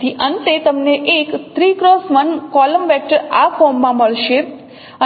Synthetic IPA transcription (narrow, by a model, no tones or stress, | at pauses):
iʔənt̪et̪əmneʔekt̪ʰɾikɾosʋənkɔləmʋɛk̚ʈəɾafʰɔmːãməɭʃe | ə